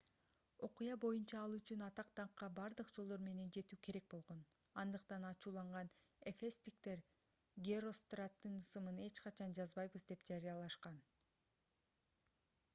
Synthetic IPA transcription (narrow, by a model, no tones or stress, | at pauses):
o̞qujɑbo̞junt͡ʃɑɑlˠyt͡ʃynɑt̪ɑq̚t̪ɑɴqːɑbɑɾd̪ɯqd͡ʒolˠd̪o̞ɾme̞ne̞nd͡ʒe̞t̪yːkʰe̞ɾe̞k̚bo̞lˠʁo̞n | ɑnd̪ɯqt̪ɑnɑt͡ʃuːlˠɑɴʁɑnefest̪ikt̪e̞ɾ | ɡʲero̞st̪rat̪ːɯnɯsɯmɯne̞t͡ʃqɑt͡ʃʰɑnd͡ʒɑzbɑjβɯzd̪e̞pd͡ʒɑɾijɑlˠɑʃqɑn